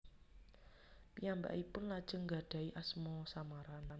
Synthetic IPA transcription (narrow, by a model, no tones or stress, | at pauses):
piamba̰ʔipʊnlad̥ʒ̥ə̤ŋɡa̤ɖ̥a̤iʔasmɔsamaɾanan